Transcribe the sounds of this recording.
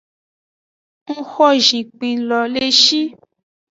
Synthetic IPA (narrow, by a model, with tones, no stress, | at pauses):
ŋ̩˦xɔ˦˨ʒĩ˨k͡pĩ˧lɔ˧le˦ʃi˦